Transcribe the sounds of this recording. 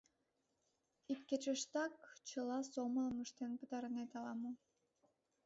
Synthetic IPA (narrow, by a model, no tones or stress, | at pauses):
ikːet͡ɕəʃt̪ɑkt͡ɕɯlˠɑsoməlmuʃt̪enpɯt̪ɑɾɯnet̪ɑlˠɑmu